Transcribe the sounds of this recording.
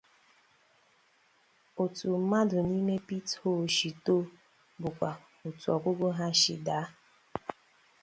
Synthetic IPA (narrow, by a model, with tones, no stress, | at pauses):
o˨tu˨m̩˦ma˦dʊ˨ni˦me˦pi˦tho˦˨ʃi˨to˦ | bʊ˨kʷa˨ | o˨tu˨ɔ˨ɡʷʊ˦ɡʊ˦ɦa˦ʃɪ̰˨da˨˦